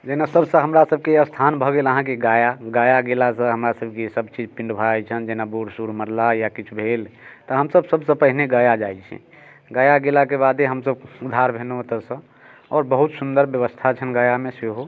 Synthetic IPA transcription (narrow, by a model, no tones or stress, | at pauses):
d͡ʒɛnasəbsə̃ɦəmɾasəb̚ʱkejəst̪ʰanbʱəɡeləɦãkeɡajaɡajaɡelasə̃ɦəmɾasəb̚kesəbt͡ʃid͡ʒpĩɳɖbʱaɛt͡ʃʰənd͡ʒenabuɾsuɾməɾlajakit͡ʃʰubʱelt̪ɔɦəmsəbsəbsə̃pəɦineɡəjad͡ʒajt͡ʃʰḭ | ɡajaɡelakebad̪eɦəmsəbud̪ʱːaɾbʱenuət̪əsə̃ | ɔːɾbəɦut̪sund̪əɾbjəʋəst̪ʰat͡ʃʰənɡəjamẽseɦo